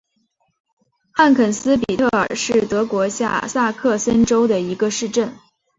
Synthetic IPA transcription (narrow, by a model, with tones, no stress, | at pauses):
xa˥˩nkʰə˨˩nsɹ̩˥p̬i˨˩t̪ʰɤ˥˩ə̰˞˨˩ʂɻ̩˥˩t̪ɤ˧˥kwɔ˧˥ɕja̰˥˧sa˥˧kʰɤ˥˩sə˥nʈ͡ʂo˥ʊd̪ə˨i˧˥ɡə˧ʂɻ̩˥˧ʈ͡ʂə˥˩n